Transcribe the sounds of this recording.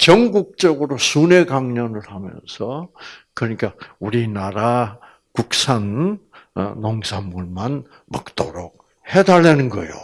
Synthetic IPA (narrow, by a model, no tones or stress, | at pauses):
t͡ɕʌŋɡuk̚t͡ɕ͈ʌɡɯɾosunekaŋɲʌnɯɭhamjʌ̰nsʰʌkɯɾʌɲik͈auɾinaɾa | kuk̚sʰanː | oŋsʰamːuɭman | mʌk̚t͈oɾok̚ | he̞daɭːenɯnɡʌjo̰